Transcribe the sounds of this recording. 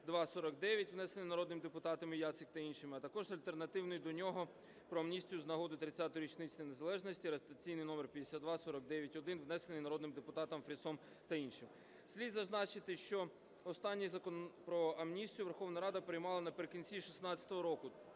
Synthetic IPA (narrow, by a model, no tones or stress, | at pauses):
d̪ʋɑsɔɾɐkd̪ɛʋʲjɐtʲʋnɛsenɪjnɐɾɔd̪nɪmd̪epʊt̪ɑt̪ɐmɪjɑt̪sɪkt̪ɐinʃɪmɪɐt̪ɐkɔʒzɐlʲt̪e̞rnɐt̪ɪwnʊjd̪ɔnʲɔɦɔ | pɾɔɐmnʲisʲtʲijʊznɐɦɔd̪ɪt̪ɾɪt͡sʲːat̪ʊɾʲit͡ʃnɪt͡sʲnjnezɐlˠɛʒnɔsʲtʲiɐɾɐst̪ɐt͡sʲijnɪjnɔmerpʲjɐd̪ʲesʲad̪d̪ʋɑsɔɾɐk̚d̪ɛʋʲjɐtʲɔd̪ɪnʋnɛsenɪjnɐɾɔd̪nɪmd̪epʊt̪ɑt̪ɐmfɾʲisɔm | t̪ɐinʃɪm | sʲlʲid̪zɐznɑt͡ʃɪt̪ɪʃt͡ʃɔ | ɔst̪ɑnʲːizɐkɔpɾɔɐmnʲisʲtʲijʊʋerxɔʋnɐɾɑd̪ɐpɾɪjmɑlˠɐnɐpeɾekinʲt͡sʲiʃisnɑt͡sʲɐ̥t̪ɔɦɔɾɔkʊ